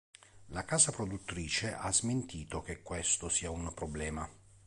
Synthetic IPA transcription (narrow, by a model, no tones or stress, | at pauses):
lakaːzapɾod̪ut̪ːɾiːt͡ʃeʔazment̪ʰiːt̪ok̟ekːwest̪osiːaunpɾoblɛːma